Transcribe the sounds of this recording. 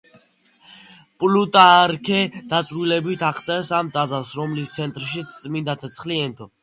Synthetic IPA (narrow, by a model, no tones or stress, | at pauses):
pʼlut̪ʼaɾkʰɛd̪̥at̪sʼɾilɛbit̪ʰaqʰt̪sʼɛɾsamt̪ʼazasɾɔmlist̪sʰɛnt̪ʼɾʃit̪sʰt̪sʼmind̪at̪ʰɛt̪sʰχliɛnt̪ʰɔ